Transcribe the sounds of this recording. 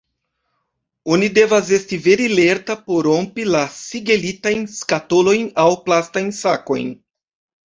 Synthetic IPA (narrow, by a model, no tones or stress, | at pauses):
onid̪evazestiveɾileɾt̪apoɾõmpilasiɡelit̪ajnskat̪olojnawplast̪ajsako̰j